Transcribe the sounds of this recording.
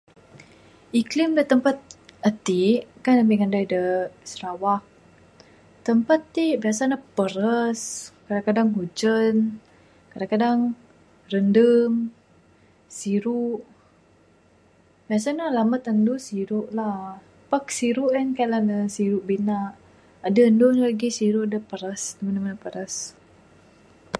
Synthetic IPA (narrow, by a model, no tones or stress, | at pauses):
ʔiklimdət̪əmpat̪̚ət̪iʔkanəmiŋandajdəsəɾawah̚ | t̪əmpat̪ːibiasanapəɾəskadaŋkadaŋɦud͡ʒən | kadaŋkadaŋ | rəndəm | siɾuʔ | biasanalamat̪əndusiɾuʔlah | pəksiɾuʔjankalanəsiɾuʔbinaʔ | adaəndʊnlaɡisiɾuʔadapəɾəsdəmənamanapəɾəs